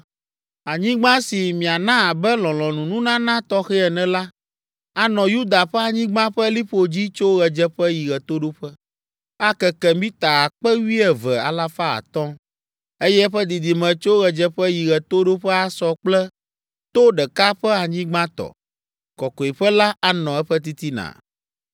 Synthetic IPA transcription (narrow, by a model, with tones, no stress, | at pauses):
a˨ɲĩ˦ɡ͡bã˦si˨mĩ˨a˨nã˦a˨bɛ˦lɔ̃˨lɔ̃˨nũ˨nũ˦nã˦nã˦t̪ɔ˦xɛ˦ɛ˨nɛ̃˨la˦ | a˨nɔ̃˨ju˦d̪a˨ɸɛ˦a˨ɲĩ˦ɡ͡bã˦ɸɛ˦li˦ɸo˨d͡ʑi˦t͡ʃo˦ɣɛ˨d͡ʒɛ˦ɸɛ˦ji˨ɣɛ˨t̪o˦ɖo˦ɸɛ˦ | a˦kɛ˨kɛ˨mĩ˦t̪a˨a˨k͡pɛ˦wi˦ɛ˨vɛ˨a̰˨la˦fa˦a̰˨t̪ɔ̃˦ | e˦jɛ˦ɛ˦ɸɛ˦d̪i˨d̪i˨mɛ̃˨t͡ʃo˦ɣɛ˨d͡ʒɛ˦ɸɛ˦ji˨ɣɛ˨t̪o˦ɖo˦ɸɛ˦a˨sɔ˦k͡plɛ˦ | t̪o˦ɖɛ˨ka˦ɸɛ˦a˨ɲĩ˦ɡ͡bã˦t̪ɔ̰˨ | kɔ˨kɔ˨i˨ɸɛ˦la˦ʔa˦nɔ̃˨ɛ˦ɸɛ˦t̪̬i˦t̪i˦nã̰˨